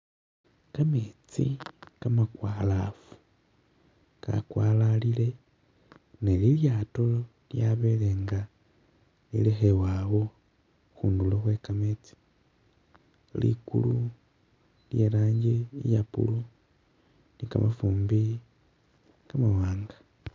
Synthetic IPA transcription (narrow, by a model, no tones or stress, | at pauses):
kamet͡sḭkamakwalafu̥ | ka̰kwalalile̞ | neliljato̞ | ljaβeleːŋɡa | lḭlexewaːwo | xuːnduloxwe̞kamet͡si̥ | lḭkṵlu | lje̞laːɲɟiijapṵlu | nika̰mʔa̰fuːmbi | kamawaːŋɡḁ